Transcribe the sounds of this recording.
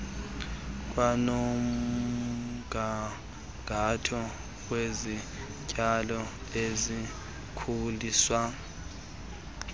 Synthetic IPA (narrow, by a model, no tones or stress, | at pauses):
kʼwanom | ɡʱa | ɡʱatʰɔ | wezi | cʼalɔ | ezi | kʰuliːswa